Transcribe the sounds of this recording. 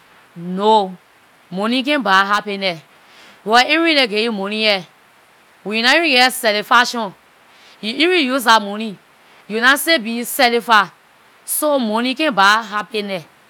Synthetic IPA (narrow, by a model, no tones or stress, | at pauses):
no | monĩk̬ɛ̃nbaɦapenɛ | jaĩɾinɛɡejumonĩjɛ | wɛ̃junãĩɡɛsɛlifaʃɔ̃ | juĩɾijus̬amoni | junasebisɛlifa | somonikɛ̃baɦapenɛ